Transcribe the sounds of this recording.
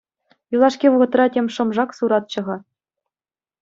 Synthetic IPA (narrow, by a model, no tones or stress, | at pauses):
julˠɑʂkʲiʋɤʁɤ̆t̪rɑtʲemʲʂɤ̆mʐɑksuɾɑt̪̚t͡ɕɤ̆ʁɑ